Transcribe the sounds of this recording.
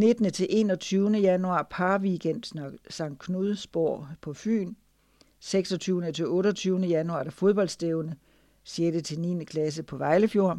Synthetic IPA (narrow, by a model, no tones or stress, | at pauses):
ne̝d̥nət͡sʰe̝lʔe̝̰ːnɒ̽t͡sʰyːʊnəjænuɑ̰̈ːpʰɑ̈ːʋiɡ̥en̰d̥sɑ̈ŋ̰̥̚kʰnuðˠsb̥o̝ɐ̰pʰɒ̽fy̰ːn | seɡ̥sɒ̽t͡sʰyːʊnət͡sʰe̝lɔ̽ːɾɒt͡sʰyːʊnəjænuɑ̈d̥æfoð̞ˠb̥ɒ̽l̰d̥sd̥eʊnə | sjieɐɾet͡sʰe̝lniːnəkʰlæs̬əpʰɒ̽ʋɑ̈ɪləfjo̝ɐ̰